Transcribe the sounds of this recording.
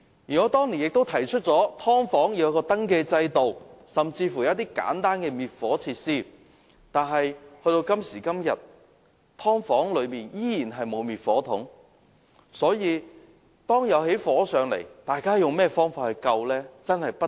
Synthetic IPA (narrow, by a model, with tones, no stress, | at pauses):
jiː˨˩nɔː˨˧˥t̪ɔː˥ŋliː˨˩njɪ˨k̚t̪o˥wt̪ʰɐ˨˩jt͡ʃʰɵ˥t̚t͡sɔː˨˥t̪ʰɔː˥ŋfɔː˨˥ŋji˨˥jkɔː˧t̪ɐ˥ŋkeː˧t͡sɐ˧jt̪o˨wsɐ˨mt͡siː˧fu˨˩jɐ˨˦ɐ˥t̪iː˥ka̰ː˨˥nt̪aː˥nkɛː˧miː˨˩t̚fɔː˨˥t͡sʰiː˧t̚siː˥˩ | t̪aː˨˩nɦɐ˨jhɵ˧ɥt̪o˧wkɐ˥msiː˨˩kɐ˥mjɐ˨t̚ | t̪ʰɔː˥ŋfɔː˨˥ŋlɵ˨˧ɥmiː˨njiː˥jiː˨˩nɦɐ˨jmo˨˧wmiː˨t̚fɔː˨˥t̪ʰʊ̰˨˥ŋ | sɔː˨˥jiː˨˧ | t̪ɔː˥ŋjɐ˨˧wɦe˨˥jfɔː˨˥sœː˨˧ŋlḛ˨˩jt̪aː˨jkaː˥jʊ˨ŋmɛː˥fɔː˥ŋfaː˧t̚hɐ˨˩jkɐ˧wlɛː˥t͡sɐ˥nhɐ˨jpɐ˥